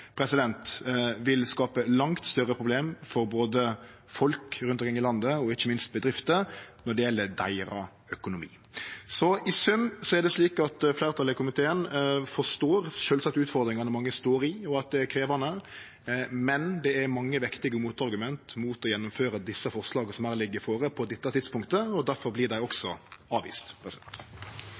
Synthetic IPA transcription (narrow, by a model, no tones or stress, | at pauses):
pʰɾɛsɪd̪ɛnt̪ʋɪlskɑːpəlɑŋt̪st̪œɾəpʰɾʊbleːmfɔɾboːd̪ə | fɔlkɾʉnt̪ɔkʰɪŋːɪlɑnd̪əɔɪçːəmɪnst̪̚bəd̪ɾɪft̪ənɔɖɛɪjɛlːəɾd̪æ̰ɪɾɑ | œkʊnʊmḭː | sɔɪsʉmːsɔæɖ̪ɛsliːkɑt̪flæɪɾt̪ʰɑlɪkʰʊmɪt̪ʰeːənfɔʂt̪oːɾʃøːlsɑk̚t̪əʉːt̪fɔɾd̪ɾɪŋɑnəmɑŋːəst̪oːɾɪɔɑt̪̚d̪ɛækʰɾeːʋɑnə | mɛnd̪ɛæɾmɑŋːəʋɪkt̪ɪɡəmuːt̪ɑɾɡʉmɛnt̪muːt̪ɔjɛnːʊmføːɾəd̪ɪsːəfɔɾslɑːɡəsɔmæːɾlɪɡːəfoːɾəpʰɔd̪ɛt̪ːət̪ʰɪd̪spʊŋkt̪əɔd̪æɾfɔɾblɪd̪æɪɔksɔɑːʋḭːst̪pʰɾɛst̪